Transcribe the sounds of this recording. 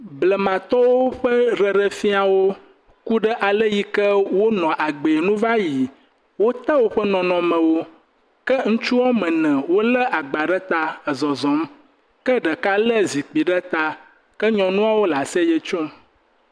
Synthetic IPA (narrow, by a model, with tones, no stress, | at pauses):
blə˨mã˨t̪ɔ˦wo˦ɸə˦ɾə˨ɖə˦fi˦a˨wo˦ | ku˦ɖə˦ʔa˨lə˦ji˦kə˦wo˦nɔ̃˨ʔa˨ɡ͡be˨e˨nũ˦va˦ji˨ | wo˦t̪ə˦wo˦ɸə˦nɔ̃˨nɔ̃˨mɛ̃˨wo˦ | kə˦ŋũ˦t͡ʃu˦wɔ˦mɛ̃˨nɛ̃˨wo˦lə˦ʔa˨ɡ͡ba˨ɖə˦t̪a˦ə˨zɔ˨zɔ̃˨˦m | kə˦ɖə˨ka˦lə˦zi˨k͡pi˨ɖə˦t̪a˦ | kə˦ɲɔ̃˨nũ˦a˦wo˦la˨sɛ˦jə˦t͡ʃɔ˦m